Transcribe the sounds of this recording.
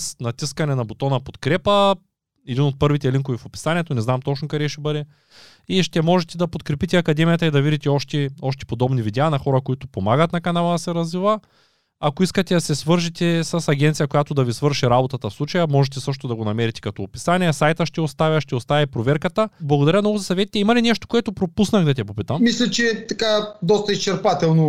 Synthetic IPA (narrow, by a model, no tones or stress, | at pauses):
snɐt̪iskɐnɛnɐbot̪ɔnɐpot̪kɾɛpə | ɛd̪inot̪̚pɤɾvit̪ɛliŋkovifopi̥sanʲiɛt̪onɛznamt̪ɔt͡ʃnokaɾɛʃɛbəd̪ɛ | iʃt̪ɛmɔʒɛt̪ɛd̪ɐpot̪kɾɛpit̪ɛɐkɐd̪ɛmijɐt̪ɐid̪ɐvid̪it̪ɛɔʃt̪ɛɔʃt̪ɛ̥pod̪ɔbnivid̪ɛaːnɐxɔɾɐkoit̪opomaɡɐt̪nɐkɐnalˠɐd̪ɐsɛɾɐzvivə | akoiskɐt̪ɛd̪ɐsɛsvɤɾʒit̪ɛsɐsɐɡʲɛnt̪sijɐkojat̪od̪ɐvisvɤɾʃiɾabot̪ɐt̪ɐfslˠut͡ʃɐjɐmɔʒɛt̪ɛsɤʃ̬t̪od̪ɐɡonɐmɛɾit̪ɛ̥kɐt̪ɔːpi̥sanʲiɛsajt̪əʃt̪ɛost̪avʲjɐʃt̪ɛost̪avʲɐipɾovɛɾkɐt̪əblˠɐɡod̪ɐɾʲəmnɔɡʊzɐsɐvɛt̪i̥t̪ɛimɐlinɛʃt̪o̥koɛt̪opɾopusnɐxd̪ɐt̪ɛpopit̪əmmislʲɐt͡ʃɛt̪ɐkad̪ɔst̪ɐist͡ʃɛɾpat̪ɛlˠno